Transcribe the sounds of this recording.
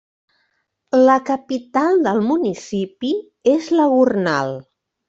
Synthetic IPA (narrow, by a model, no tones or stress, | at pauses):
ləkəpit̪alˠd̪əlˠmunisipi | ezləɣurna̰lˠ